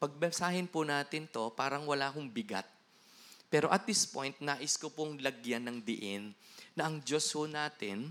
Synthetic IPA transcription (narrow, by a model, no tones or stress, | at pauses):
pɐɡ̚bɛsaːɦɪnpʊnaːt̪ɪnt̪o̞paːɾɐŋwɐlaːkʊŋbɪɡa̰t̪̚ | pɛːɾo̞ʔɐt̪̚d̪ɪspo̞̰jnt̪̚naːʔɪskopʊŋlɐɡjanːɐŋd̪ɪʔɪnːɐʔɐŋd͡ʒo̞shʊnaːt̪ɪn